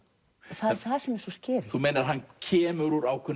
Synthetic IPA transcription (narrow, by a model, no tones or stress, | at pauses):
θaðθaðsɛmɛɾ̥sɔscɪːɾθumejnaɾ̥ɦanːcʰɛːmʏɾuɾawkʰvʏn